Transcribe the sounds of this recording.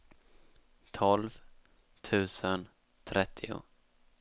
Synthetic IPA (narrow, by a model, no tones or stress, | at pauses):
t̪ʰɔlv | t̪ʰʉ̟ːsən | t̪ʰɾɛt̪ʰːɪʊ̰